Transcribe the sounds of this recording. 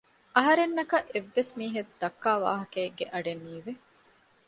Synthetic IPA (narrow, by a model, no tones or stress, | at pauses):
ʔɐɦɐɾenːɐkɐʔeʋːesmiːɦed̪ɐkːaːʋa̰ːɦɐkeːɡeʔɐɖenːiːʋe